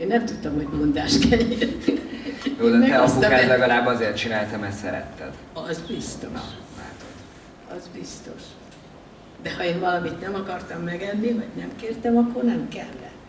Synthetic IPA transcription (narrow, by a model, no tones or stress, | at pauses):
eːnːɛmt̪ut̪ːomho̞ɟmond̪aːʃt̪kʰɛlːɛn | joːd̪ɛɛɛsukaːt̪lɛɡɒlaːbɒzeːrt̪̚t͡ʃinaːlt̪ɛmɛsɛɾɛ̰t̪ːɛ̰d̪̥ | ɒzbist̪o̞ʃla̰ːt̪od̪ | ɒ̰zbist̪o̞̰ʃ | d̪ɛhɒeːnvɒlɒmit̪nɛmɒkɒrt̪ɒmːɛɡɛnːivɒɟnɛmkeːrt̪ɛmɒkːo̞rnɛmkɛ̰lːɛ